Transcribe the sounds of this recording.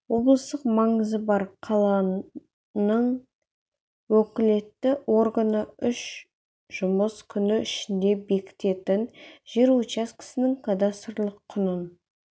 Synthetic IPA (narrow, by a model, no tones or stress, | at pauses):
wo̞blˠəst̪əqmɑɴəzəbɑɾqʰɑlˠɑ | nəɴ | wɵkʲɪle̞t̪ːɪwo̞ɾɡanəʏʃ | ʒ̥ʊməskʲʰʏnɪɪʃɪnd̪e̞be̞kʲɪ̥t̪e̞t̪ɪnʒ̥eɾut͡ʃaskʲʰɪ̥sɪnɪŋkʰad̪ast̪əɾlˠəqʰːʊnən